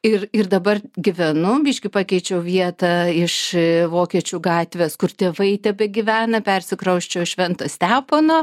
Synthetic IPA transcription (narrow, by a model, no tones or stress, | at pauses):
ɪrɪrd̪ɐbɐrɡʲɪʋʲɛnʊbʲiːʃʲkʲɪpɑːkʲɛɪt͡ʃʲɛʊʋʲiɛt̪ɐɪʃʋoːkʲiɛt͡ʃʲuːɡɑːt̪ʲʋʲeːskʊrt̪ʲeːʋɐɪt̪ʲɛbʲɛɡʲɪʋʲæːnɐpʲɛrʲsʲɪkɾɐʊʃʲt͡ʃʲɛʊʃʲʋʲɛnt̪osʲt̪ʲæːpoːnoː